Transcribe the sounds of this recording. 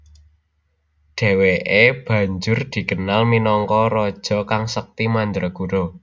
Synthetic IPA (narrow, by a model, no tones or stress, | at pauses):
ɖ̥e̤weʔeb̥ä̤ɲd͡ʒʊrd̪̥i̤kənalminɔŋkɔɾɔd̥ʒ̥ɔ̤kaŋsək̚t̪imand̪ɾɔɡ̥uɾo